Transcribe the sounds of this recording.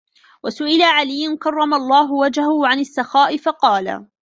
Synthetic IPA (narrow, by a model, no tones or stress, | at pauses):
wasʊʔɪlaʕalɪjːʊnkɑrˤːɑmalˤːɑːɦʊwad͡ʒhahʊʕanasːɑxaːʔɪfɑqɑːla̰